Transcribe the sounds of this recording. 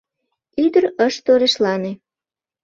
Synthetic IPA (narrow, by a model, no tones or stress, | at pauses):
yd̪əɾəʃt̪oɾeʃlɑne